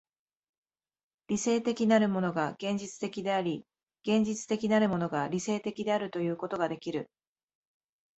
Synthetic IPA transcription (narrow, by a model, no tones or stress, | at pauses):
ɾʲise̞ːt̪e̞kʲinaɾɯ̟mo̞no̞ɡaɡ̥ẽ̞ɲ̟d͡ʑit͡sɨ̥t̪e̞kʲid̪e̞aɾʲi | ɡ̥ẽ̞ɲ̟d͡ʑit͡sɨ̥t̪e̞kʲinaɾɯ̟mo̞no̞ɡaɾʲise̞ːt̪e̞kʲid̪e̞aɾɯ̟t̪o̞jɯ̟ːko̞t̪o̞ɡad̪e̞kʲiɾɯ̟